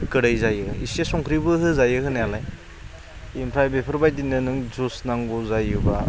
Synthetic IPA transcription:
kɯɾajzajɯisesɔŋkʰɾibɯɦɯzajɯhɯnealaj | impʰɾajbepʰɯɾbajdinːɯnɯŋzusnaŋɡuzajɯba̰

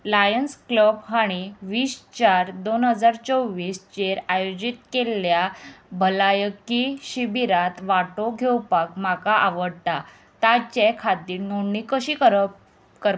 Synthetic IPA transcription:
lajənskləbɦaɽ̃iʋiːst͡ɕaɾd̪onɦəd͡zaɾt͡sowʋiːst͡ɕeɾajod͡ʑit̪keljabʱəlajəkiɕibiɾat̪ʋaʈoɡʱewpakm̤akaʔaʋəɽʈ̪a | t̪at͡ɕekʰat̪iːɾnoɳːikəɕiːkəɾ | kəɾ

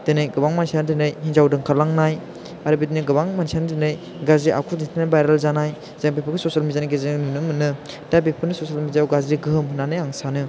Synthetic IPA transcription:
d̥ɯnɯjɡɯbaŋmansanɯdɯnɯjhinzawdɯŋkʰalaŋnaj | aɾɯbidinɯɡɯbaŋmansianɯdɯnɯj | ɡazɾiʔa̰kʰuditʰinajbajɾalzanaj | z̥eŋbepʰɯkʰɯsosalmizaniɡeznunɯmɯnɯ | d̥abepʰɯnɯsosalmiziawɡazɾiɡɯɦɯmɦunːanɯjaŋsanɯ

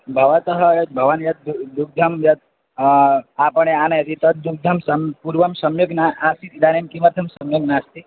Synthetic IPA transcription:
bʱɐʋɐt̪ɐɦɐjɐt̪̚bʱɐʋɐnjɐt̪̚ud̪uɡ̚d̪ʱɐmjɐt̪̚ | aːpɐɳeaːnɐjɐt̪ʰit̪ɐt̪̚d̪uɡ̚d̪ʱɐmsɐmpuɾʋɐmsɐmjuɡnaʔaːsit̪id̪aːnemkimɐt̪ʰɐmsɐmjuɡnaːst̪i

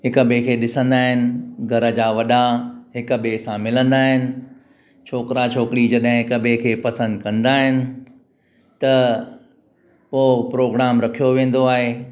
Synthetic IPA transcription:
ɦɪkəbekʰeːɗɪsə̃nd̪aːɦɪnɪ̆ɡʱɐɾə̆d͡ʑaːʋɐɗaɦɪkəɓesãmɪlə̃nd̪aːɦɪnɪ̆ | t͡ɕʰoːkɪɾat͡ɕʰoːkɪɾid͡ʑɐɗɦɪ̃ɦɪkəbekʰeːpɐsə̃nd̪̚kɐ̃nd̪aːɦɪnɪ̆ | t̪ɐ | poːpɾoːɡɾaːmɾɐkʰijoʋẽːn̆d̪oaːɦeː

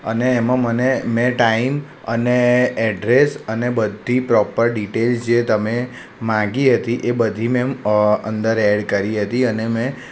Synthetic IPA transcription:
ə̰neːmãmənemɛ̃ʈaim | əneɛɖɾesənebəd̪ʱːipɾɔpəɾɖiʈelsd͡ʒet̪əme | mãɡiɦət̪iʔebəd̪ʱimɛ̃ə̰nd̪əɾɛɽkəɾiɦət̪iənemɛ̃

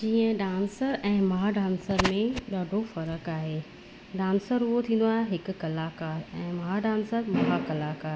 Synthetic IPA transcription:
d͡ʑiːə̃ɖãːnsəɾɛ̃ːmɐɦaɖãːnsəɾmẽɗaːɖʱofɐɾəkaːɦeː | ɖãːnsəɾuɦot̪ʰĩːnd̪oaːɦeɦɪkʊ̆kɐlaːkaːɦeɛ̃ːmɐɦaɖãːnsəɾmɐɦakɐlaːkaːɦe

